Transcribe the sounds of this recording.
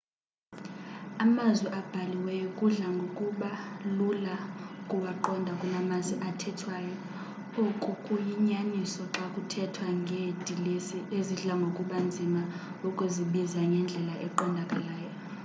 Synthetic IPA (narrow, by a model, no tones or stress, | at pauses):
amazwɛʔab̥ʱaliwɛjɔkʼuɮaŋɡʱokʼuɓalulakʼuwaǃɔndʱakʼunamazwiʔatʰɛtʰwajɔ | ukʼukʼujiɲanisɔǁakʼutʰɛtʰwaŋʱedʱiieziɮaŋɡʱokʼuɓand͡zʱima | ɔkʼuziɓizaŋɡʱɛnd͡ɮʱɛlaʔɛǃɔndʱakʼalaːjɔ